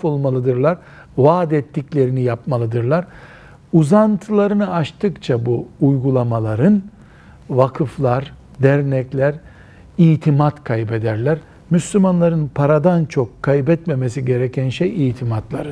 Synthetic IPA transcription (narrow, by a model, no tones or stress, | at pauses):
fo̞lˠmalˠɯd̪ɯɾlˠaɾ | vaːd̪ɛt̪ːiclʲe̞ɾinijapmalˠɯd̪ɯɾlˠaɾ | uzant̪ʰɯlˠaɾɯnɯaʃt̪ʰɯkt͡ʃʰabuːjɡulˠamalˠaɾɯn | vakʰɯflˠaɾ | d̪æɾnɛclʲæɾ | ijt̪ʰimat̪kʰajbe̞d̪æɾlʲæɾ | myslʲymanlˠaɾɯnpʰaɾad̪ant͡ʃʰo̞kʰːajbɛt̪me̞mes̬iɟe̞ɾecʰænʃejijt̪ʰimat̪lˠaɾɯ